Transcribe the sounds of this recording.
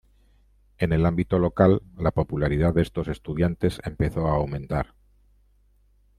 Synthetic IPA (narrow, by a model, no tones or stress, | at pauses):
e̞ne̞lambit̪o̞lo̞kalːapo̞pulaɾið̞aððe̞st̪o̞se̞st̪uð̞jant̪e̞se̞mpe̞θo̞aːwmẽ̞nt̪aɾ